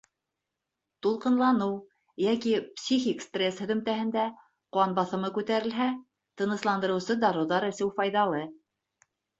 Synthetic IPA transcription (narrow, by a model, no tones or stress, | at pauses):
t̪ulˠqɤ̆nlˠɑnɤw | jækipsʲixʲikst̪rʲeshɵ̆ðɵ̆mt̪æɦɘ̆nd̪æ | quɑnbɑθɤ̆mɤkʉt̪æɾɘ̆lɦæ | t̪ɤ̆nɤ̆slˠɑnd̪ɤ̆ɾɤ̆wsɤd̪ɑɾŭðɑɾɘ̆sɘwfɑjðɑlˠɤ